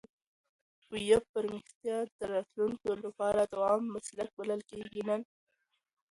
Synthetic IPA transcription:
ujafəɾmɪxt̪jɑd̪əɾɑt̪lunkolapɑɾad̪əwɑːmːaslək̚baləlkeɡinan

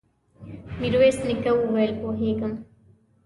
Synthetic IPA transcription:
miɾoeːsnikɐuʋelkoːɦeːkɐm

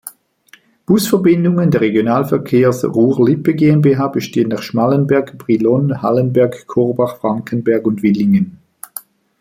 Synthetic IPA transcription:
b̥ʊsfɛɐbɪndʊŋəndɛɐʁeɡjonaːlfɛɐkʰeːɐsʁuːlɪpəɡeːɛnbeɦaːb̥əʃteːənːaχʃmalənbɛɐɡb̥ʁilɔnha̰lənbɛɐkkʰɔʁbaχfʁ̥aŋkʰənbɛɐɡʊndvɪlɪŋən

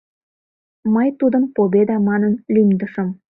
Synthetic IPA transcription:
məjt̪ud̪ə̆mpobʲed̪ɑmɑnənlʲymd̪əʃə̆m

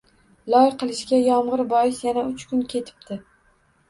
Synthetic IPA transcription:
lˠɒjqʰɨlˠɪʃkʲajɒmʁɨɾbɒjɪsjanaʊt͡ʃkʰʊnkʲʰe̞t̪ʰɪ̥p̚t̪ʰɪ

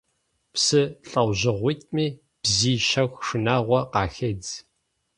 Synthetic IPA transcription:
psɨɬʼɐwʷʑɪʁʷiːtʼmiː | b̥ziːʃɐxʷʂɨnaːʁʷɔqɑːxed͡z

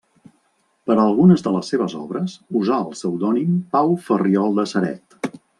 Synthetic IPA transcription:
pəɾəlˠɣunəzðələsːeβəzɔ̰βɾəsuzaəlˠsəwd̪ɔnimpawfəriɔlˠd̪əsəɾɛ̰t̪

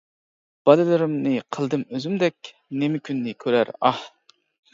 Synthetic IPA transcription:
b̥ɑd̪ɪlɪɾɪmnɨqʰəlˠd̪ɨmøzymd̪ɛk̚ʲ | nemɪkʲʰynːɪkʲʰøɾæ̰ɾɑh

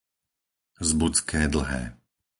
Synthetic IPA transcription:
zbut͡skɛːd̪l̩ɦɛ̰ː

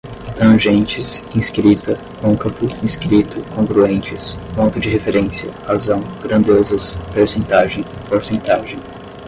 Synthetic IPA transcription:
t̪ɐ̃ʒẽnt͡ʃɪsĩskɾit̪ɐ | põkɐpʊĩskɾit̪ʊkõŋɡɾuẽnt͡ʃɪspõnt̪ʊd͡ʒɪhefeɾẽsiɐ̰hazɐ̃w̃ɡɾɐ̃nd̪ezɐspeɾsẽnt̪aʒẽj̃poɾsẽnt̪aʒẽj̃

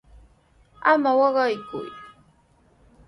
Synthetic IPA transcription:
amawɑɢɑjkʊ̰j

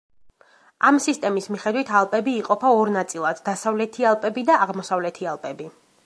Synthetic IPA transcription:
amsist̪ʼɛmismiχɛd̪wit̪ʰalˠpʼɛbiːqʼɔpʰaɔɾnat̪sʼilˠad̪d̪asavlɛt̪ʰialˠpʼɛbid̪aːʁmɔsavlɛt̪ʰialˠpʼɛbi

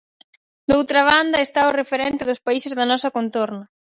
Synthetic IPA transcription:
d̪owt̪ɾɐβ̞and̪ɐest̪aʊrefeɾɛnt̪ɪðʊspaisɪzðɐnɔsɐkont̪oɾnɐ

